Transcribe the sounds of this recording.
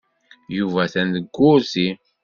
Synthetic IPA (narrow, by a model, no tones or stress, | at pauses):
juvæθænðəɡʷːʊɾsi